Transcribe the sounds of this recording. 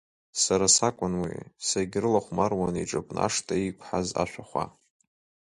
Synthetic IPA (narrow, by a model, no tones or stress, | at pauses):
saɾasakʷʼʊnwḭsaɡʲrɨlaχʷmarwaniʈ͡ʂʼapʷʼna̰ʂtʰʼaikʷʰʼħaza̰ʃʷᶣaχʷa̰